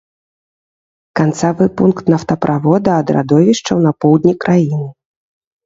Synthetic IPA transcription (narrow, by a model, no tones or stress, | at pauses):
kant̪savɨpunkt̪nɐft̪ɐpɾʔavɔd̪ɐːd̪ɾa̰d̪ɔvʲiʂt͡ʂɐwnɐpɔwd̪ʲnʲikɾʔajinɨ